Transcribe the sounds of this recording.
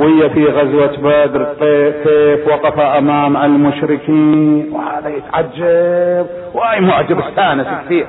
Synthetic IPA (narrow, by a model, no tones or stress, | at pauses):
whɪjːafiɣazwat̪bad̪ɾt̪ˤekeːfwɑqɑfaʔamaːmalmʊʃɾɪkiːnwhaːðajɪt̪ʕad͡ʒːab̚ | whaːjmʊʕd͡ʒːabɪsːaːnɪskθiːʕ